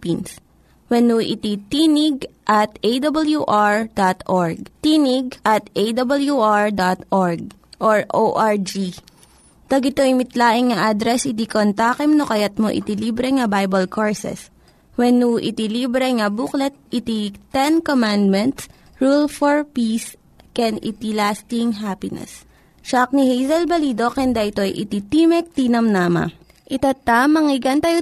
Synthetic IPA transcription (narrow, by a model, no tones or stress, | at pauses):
pins | wɛnuʔɪt̪it̪inɪɡ̚ʔɐt̪ʔed̪ɐbɐljuʔaɹd̪at̪ʔoɹɡ̚t̪iːnɪɡ̚ʔɐt̪ʔejd̪ɐbɐljuʔaɹd̪ot̪ʔoɹɡ̚ | ʔoɹʔoʔaɹd͡ʒi | t̪ɐɡɪt̪oɪmɪt̪laːʔɪŋŋɐʔad̪ɾɛsʔɪd̪ikont̪aːkɛmnokɐjɐt̪̚moʔɪ̰t̪iliːbɾɛŋɐbajbɐlkʰoɹsɛ̰s | wɛnːuʔɪ̰t̪iliːbɾɛŋɐbuklɛt̪̚ʔɪt̪it̪ɛnkomand̪mɛnt̪s | ɹulfoɹpiːs | kɛnɪ̰t̪ilaːst̪ɪŋɦapɪnɛ̰s | ʃak̚nihejzɐlbɐliːd̪okɛnd̪ɐʔɪt̪o̞jʔɪ̰t̪it̪imɛk̚t̪iːnɐmnaːmɐ̰ | ʔɪt̪at̪amɐŋɪɡɐnt̪ajo